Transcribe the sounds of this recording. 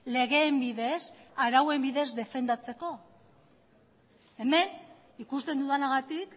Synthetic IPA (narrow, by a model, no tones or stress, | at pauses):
le̞ɣe̞ːmbiðe̞saɾawe̞mbiðe̞zd̪e̞fe̞nd̪at͡se̞ko̞ | e̞me̞n | ikust̪e̞nd̪uðanaɣat̪ik